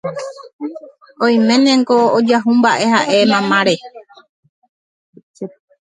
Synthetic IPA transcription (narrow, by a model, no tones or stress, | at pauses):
õj̃mẽ̞nẽŋkood͡ʒaɦumbaʔe̞haʔe̞mãmãɾe